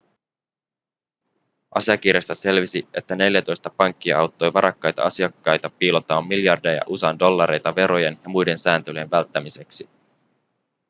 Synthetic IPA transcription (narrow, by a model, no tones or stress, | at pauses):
ʔɑ̰siɑk̟irjest̪ɑse̞lʋisie̞t̪ːæne̞ljæt̪o̞jst̪ɑpɑŋkːiɑwt̪ːo̞jʋɑɾʔɑkːɑjt̪ɑ̰ɑsiɑkːɑjt̪ɑpiːlot̪ːɑʋɑmːiljɑrdiɑjɑ̰ʔusɑndo̞lːɑɾe̞jt̪ɑʋe̞ɾo̞je̞njɑmujde̞nsæːnt̪ølie̞nʋælt̪ːæmise̞ksi